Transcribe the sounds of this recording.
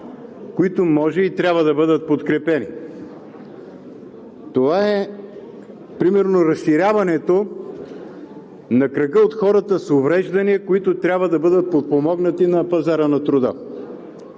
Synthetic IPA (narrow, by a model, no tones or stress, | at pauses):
koit̪omɔʒɛit̪ɾʲabvəd̪ɐbɤd̪ət̪̚pot̪kɾɛpɛni | t̪ovaɛ | pɾimɛɾnoɾɐsʃiɾʲavɐnɛt̪o | nɐkɾɐɡəot̪xɔɾɐt̪əsovɾɛʒd̪ɐniəkoit̪ot̪ɾʲabvəd̪ɐbɤd̪ət̪̚pot̪̚pomɔɡnət̪inɐpɐzaɾənɐt̪ɾʊd̪ə̰